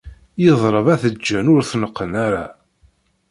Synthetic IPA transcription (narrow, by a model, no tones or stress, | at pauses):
jəðˤɾˤəvæθəd͡ʒːænʊɾθnəqːənaɾa